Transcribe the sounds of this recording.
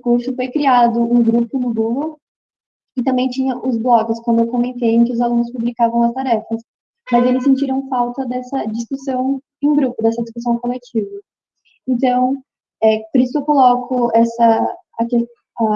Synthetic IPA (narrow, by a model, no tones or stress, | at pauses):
ʊkuɾsʊfojkɾiad̪ʊũɡɾupʊnʊɡuɡow | ɪt̪ɐ̃mbẽj̃t͡ʃĩɲɐʔʊzblɔɡɪskwɐ̃d̪ʊewkomẽnt̪ejẽkɪʊzalũnʊspublikavɐ̃w̃ɐst̪aɾɛfɐs | mɐzelɪsːẽnt͡ʃiɾɐ̃w̃fawt̪ɐd̪ɛsɐd͡ʒiskusɐ̃w̃ | ẽj̃ɡɾupʊd̪ɛsɐd͡ʒiskusɐ̃w̃kolet͡ʃivɐ | ẽnt̪ɐ̃w̃ | ɛpoɾisʊewkolɔkʰʊɛsɐː | ke | a